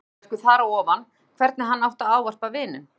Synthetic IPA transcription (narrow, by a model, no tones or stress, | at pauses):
kʏθaːɾaɔːvan | kʰvɛɾt̪nɪɦanːawht̪aaːwvar̥pavvɪːnʏ̰m